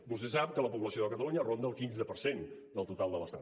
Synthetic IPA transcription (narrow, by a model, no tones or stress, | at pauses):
bust̪ɛsap̚kələpuβləsioðəkət̪əluɲərond̪əlˠkinzəpəɾsend̪əlˠt̪ut̪alˠd̪ələst̪a